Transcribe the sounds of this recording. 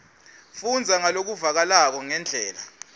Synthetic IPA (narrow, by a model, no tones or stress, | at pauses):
fund͡zʱaŋalok̬uvak̬alak̬ɔŋɛnd͡ɮʱɛːla